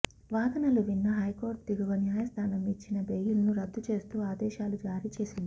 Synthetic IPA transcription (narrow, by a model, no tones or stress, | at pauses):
ʋaːd̪ɐnɐluʋinːɐɦɐjko̞ːɾt̪d̪iɡuʋɐnjaːjɐst̪ʰaːnɐmit͡ʃːinɐbejulɐnuɾɐd̪ːut͡ʃe̞ːst̪uːaːd̪ɛːʃaːlud͡ʒaːɾit͡ʃe̞ːsind̪i